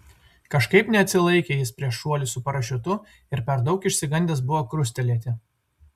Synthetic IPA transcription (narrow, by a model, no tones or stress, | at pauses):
kɐʃkɐɪpnʲɛɐt̪ʲsʲɪlˠɐɪkʲeːjɪspʲɾʲiɛʃːuɔlʲɪsʊpɐɾɐʃʲʊt̪ʊ | ɪɾpʲɛɾd̪ɒʊkɪʃʲsʲɪɡɐnʲd̪ʲɛs̬bʊʋoːkɾʊsʲt̪ʲɛlʲiɛt̪ʲɪ